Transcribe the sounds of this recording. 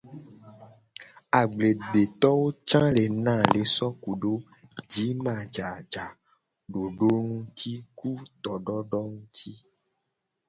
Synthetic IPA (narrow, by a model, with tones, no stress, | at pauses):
a˨ɡ͡ble˨ɖe˨t̪ɔ˦wo˦t͡ʃã˦le˨nã˦˨le˨sɔ˦ku˨ɖo˦ | d͡ʒi˨˦mã˨d͡ʒa˨d͡ʒa˨ | ɖo˨ɖo˦ŋũ˦t̪ʰi˦ku˦t̪ɔ˨ɖɔ˦ɖɔ˦ŋũ˦t̪ʰi˦